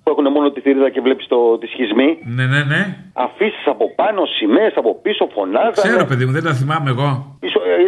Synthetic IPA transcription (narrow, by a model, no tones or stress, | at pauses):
puexune̞mo̞not̪iθiɾiðɐce̞vle̞pi̥st̪o̞t̪isçizmine̞ne̞ne̞ | ɐ̰fisi̥sɐpo̞pɐno̞sime̞sɐpo̞piso̞fo̞nɐðkɐseɾope̞ðimuðend̪ɐθimɐmeːɣo̞iso